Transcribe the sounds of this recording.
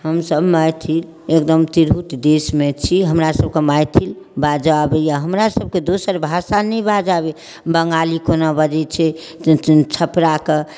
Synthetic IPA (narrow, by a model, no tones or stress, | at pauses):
ɦəmsəbmajt̪ʰil | ekd̪əmt̪iɾɦut̪d̪esmet͡ʃʰiɦəmɾasəb̚kemajt̪ʰil | bad͡ʒabɛjaɦəmɾasəb̚ked̪osəɾbʱasanɛbad͡ʒabe | bəŋɡalikonabəd͡ʒɛt͡ʃʰɛ | t͡ʃʰəpɾake